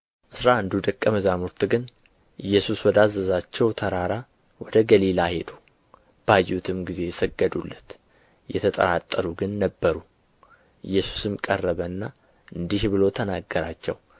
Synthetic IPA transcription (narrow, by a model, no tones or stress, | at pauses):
ʔɨsɾand̪ud̪əkʼːəməzamuɾt̪ɡɨn | ʔɨjːɛsuswɔd̪azːəzat͡ʃːɛwt̪ʰəɾaɾa | wɔd̪əɡəlilahe̞d̪u | b̥ajːut̪ʰɨmɡize̞jɛsəɡːəd̪ulːət̪ | jɛ̰t̪ʰət̪ʼə̰ɾat̪ʼːəɾuɡɨnːəbːəɾu | ʔɨjːɛsu̥sɨmkʼərːəβənːa | ʔɨnd̪iʃβɨlo̞t̪ʰənaɡːəɾat͡ʃːɛ̰w